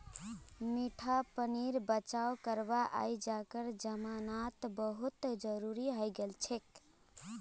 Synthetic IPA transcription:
miʈʰapəniɾbət͡ʃaokəɾbaʔa̰jd͡ʒakəɾd͡ʒəmanat̪bəɦut̪d͡ʒəɾuɾiɦəjɡelt͡ʃʰek

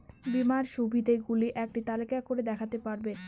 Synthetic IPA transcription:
bimaɾʃubʱid̪ʱeɡuliʔɛk̚ʈit̪alekakoɾed̪ɛkʰat̪epaɾben

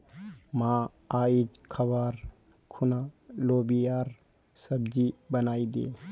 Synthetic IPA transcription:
mãː | aːid͡ʒkʰɐbaːɾ | kʰʊnaloːbijaːɾ | sɐbd͡ʒibɐnaːid̪ḛː

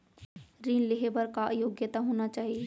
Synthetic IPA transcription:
ɾiːnleɦebəɾkajoːɡjət̪aɦoːnat͡ʃaːɦie

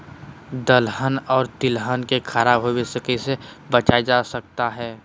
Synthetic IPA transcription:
d̪əlɦənɔːɾt̪ɪlɦənkekʰəɾaːbɦowesəkise | bət͡ʃaːed͡ʒaːsək̚t̪aɦɛː

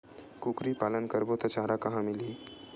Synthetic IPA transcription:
kukɾipaːlənkɐɾbot̪ɐt͡ʃaːɾakɐɦãmɪliː

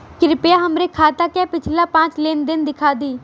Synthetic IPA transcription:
kɪɾɪpejaːɦəmɾeːkʰaːt̪aːkɛːpɪt͡ʃʰlaːpãːt͡ʃleːnd̪ɪnd̪ɪkʰaːd̪iː

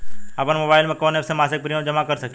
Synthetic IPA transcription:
əpənmoːbaːɪlmẽkoːnefsẽmaːsɪk̚pɾiõd͡ʒəmakəɾsəkʰ

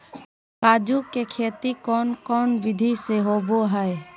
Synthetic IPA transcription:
kaːd͡ʒukekʰeːt̪ikɔːnkɔːnʋɪd̪ʱiseɦoːboɦɛe

